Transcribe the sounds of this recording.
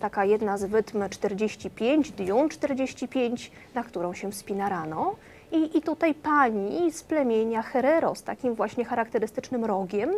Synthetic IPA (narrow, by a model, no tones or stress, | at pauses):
t̪akajɛd̪nazvɘt̪mt͡ʂt̪ɛɾd͡ʑeɕt͡ɕipʲjeɲd͡ʑd̪ɲunt͡ʂt̪ɛɾd͡ʑeɕt͡ɕipʲjeɲt͡ɕ | nakt̪uɾɔ̃w̃ɕɛfspʲinaɾanɔ | iʔːt̪ut̪ajpaɲisplɛmʲjeɲaxɛɾɛɾɔ̰st̪a̰kʲimvwaɕɲɛxaɾakt̪ɛɾɘst̪ɘt͡ʂnɘmɾɔɡʲɛm